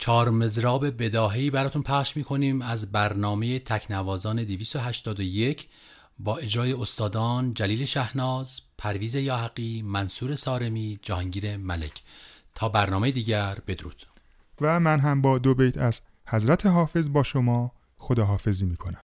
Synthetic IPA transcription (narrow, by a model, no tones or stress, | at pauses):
t͡ʃʰɒːɾme̞zɾɒːbe̞be̞d̪ɒːɦeiːbæɾɒːt̪ʰunpʰæχʃmiːkʰo̞niːmæzbæɾnɒːme̞jet̪ʰæcʰnævɒːzɒːne̞d̪eviːst̪o̞ɦæʃt̪ɒːd̪oje̞cʰ | bɒːe̞d͡ʒɾɒːje̞ost̪ɒːd̪ɒːnd͡ʒæliːle̞ʃæhnɒːzpʰæɾviːze̞jɒːɦæɡiːmænsuːɾe̞sɒːɾe̞miːd͡ʒæhɒːŋɟiːɾe̞mæle̞̰cʰ | t̪ʰɒːbæɾnɒːme̞jed̪iːɟæɾb̥e̞d̪ɾṵːd̪̥ | væmænɦæmbɒːd̪obejt̪ʰæz̥ | hæzɾæt̪ʰeɦɒːfe̞zbɒːʃomɒː | xod̪ɒːɦɒːfe̞ziːmiːkʰonæm